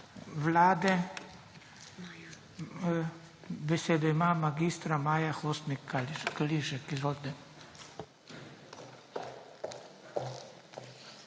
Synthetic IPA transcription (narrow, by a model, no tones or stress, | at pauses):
ʋlaːd̪ɛ | bɛseːd̪ɔimamaɡiːst̪ɾamaːjaxost̪nikakaliʃɛkizʋolt̪ɛ